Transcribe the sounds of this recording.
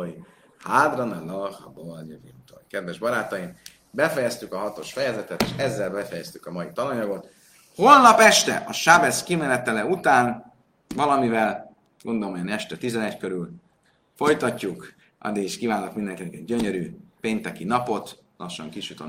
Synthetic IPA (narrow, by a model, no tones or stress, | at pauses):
i | haːd̪ɾonɔlɒxɒ̰bolɲvimt̪ojkɛd̪vɛʒbɒɾaːt̪ɒjim | bɛfɛjɛst̪ykɒɦɒt̪o̞ʃfɛjɛzɛt̪ɛt̪eʃɛzːɛlbɛfɛjɛst̪ykɒmɒjit̪ɒlɒɲɒɡo̞t̪ | ho̞lnɒpɛʃt̪ɛ̰ʔɒʃabɛskimɛlɛt̪ːɛlɛut̪aːn | vɒlɒmivɛl | ɡ̥o̞nd̪olomojɛnɛʃt̪ɛt̪izɛnɛckø̞ɾyl | fo̞jt̪ɒcːuk | ɒ̰d̪ːiɡiʃkiːvaːnokmind̪ɛŋkinɛkɛɟɟøɲøɾypeːnt̪ɛkinɒpo̞t̪ | lʔɒʃːɒ̰ŋkiʃut̪o̰